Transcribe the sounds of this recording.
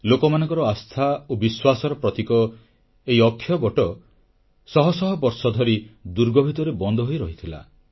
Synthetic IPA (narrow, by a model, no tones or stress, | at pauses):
lokɔmanɔŋkɔɾɔast̪ʰaobiswasɔɾɔpɾɔt̪ikɔ | eiɔkʰːjɔbɔʈɔ | sɔɦɔsɔɦɔbɔɾsɔd̪ʱɔɾid̪uɾɡɔbʱit̪ɔɾebɔnd̪ʱɔɦojɾɔɦit̪ʰila̰